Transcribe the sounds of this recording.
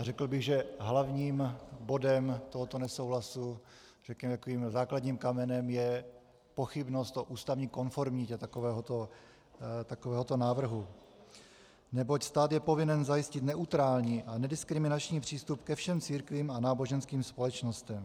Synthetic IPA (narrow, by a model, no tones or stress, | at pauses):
rɛkl̩bɪɣʒɛɦlavɲiːmbo̞dɛmt̪oɦot̪o̞nɛso̞wɦlasu | rɛkɲɛmɛt̪akoviːmzaːkladɲiːmkamɛnɛmjɛ | po̞xɪbno̞st̪oʔuːst̪avɲiːko̞nfo̞ɾmɲɪcɛt̪akovɛːɦot̪o | t̪akovɛːɦot̪o̞naːvr̩ɦu | nɛbo̞cst̪aːt̪jɛpo̞vɪnɛnzajɪscɪt̪nɛʔut̪ɾaːlɲiʔanɛdɪskɾɪmɪnat͡ʃɲiːpr̝̥iːst̪upkɛfʃɛmt͡siːɾkviːmanaːboʒɛnskiːmspo̞lɛt͡ʃno̞st̪ɛm